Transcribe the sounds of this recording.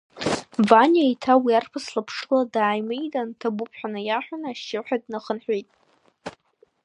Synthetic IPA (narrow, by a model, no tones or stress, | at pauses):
vanaitʰawiarpʰɨslapʰʂladaːjmejtʼantʰabʊpʰħʷᶣanɨjaħʷᶣanaaʃɪħʷᶣadnaχənħᶣʷejtʼ